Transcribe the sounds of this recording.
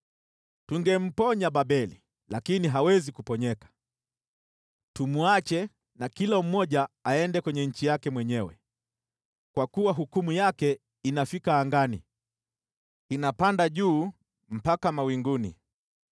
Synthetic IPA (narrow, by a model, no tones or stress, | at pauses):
tuŋɡɛm̩pɔɲaɓaɓɛli | lakiniɦawɛzikupɔɲɛkḁ | tumuat͡ʃɛ | nakilam̩mɔʄaaɛndɛkwɛɲɛɲ̩t͡ʃijakɛmwɛɲɛwɛ̰ | kwakuwaɦukumujakɛ | inafikaːŋɡani | inapandaʄuː | m̩pakamawiŋɡunḭ